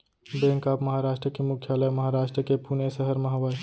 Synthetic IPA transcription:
bẽːŋkaːpməɦaɾaːʃʈɾəkemʊkʰjaːləjməɦaɾaːʃʈɾəkepuːnesəɦəɾmɐɦaʋəj

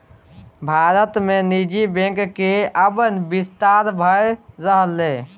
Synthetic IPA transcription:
bʱaɾət̪menid͡ʒibẽkkeəbənbist̪aɾbʱəeɾəɦəlːe

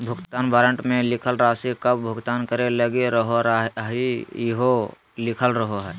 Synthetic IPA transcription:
bʱʊɡt̪aːnbaːɾə̃ɳʈmẽlɪkʰəlɾaːsikəbbʱʊɡt̪aːnkəɾeləɡeɾəɦoɾɦiɦo | lɪkʰəlɾəɦoɦɛː

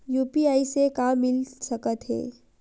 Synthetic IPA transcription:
juːpiaːisekaːmːɪlsəkət̪ɦɛ̰ː

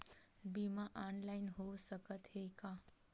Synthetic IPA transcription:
bimãʔanlainɦowsəkət̪ɦekã

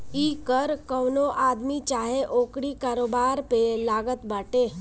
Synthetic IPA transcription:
iːkəɾkəwnoʔaːd̪mit͡ʃaːɦeʔoːkɽikaːɾoːbaɾpelaːɡət̪baːʈe

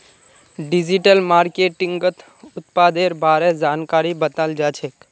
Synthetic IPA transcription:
ɖɪd͡ʒiʈəlmaːɾkeːʈɪ̃ŋɡət̪ | ʊt̪paːd̪eːɾbʱaːɾed͡ʒaːnkaːɾibət̪əld͡ʒaːt͡ʃʰek

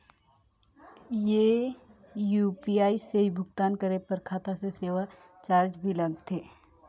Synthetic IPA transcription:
je | juːpiaːiseɦibʱʊɡt̪aːnkəɾepəɾkʰaːt̪aseseːʋa | t͡ʃaːɾd͡ʒbʱilɐɡt̪ʰeː

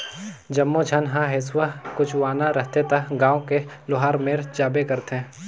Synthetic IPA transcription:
d͡ʒɐmːõd͡ʒʱɐnɦãɦɪswakʊt͡ʃʰwaːnaɾəɦt̪et̪ɐɡãːõkelʊɦaːɾmeːɾd͡ʒaːbekəɾt̪ẽː

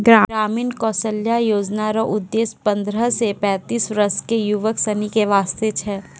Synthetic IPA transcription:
ɡɾaːɾaːmiːnkɔːsəljajoːd͡ʒnaɾəʔʊd̪ːeːspɐ̃nd̪ɾəsepɛ̃ːt̪iːsɾəskejuʋəksɐnikeʋaːst̪et͡ʃʰɛː

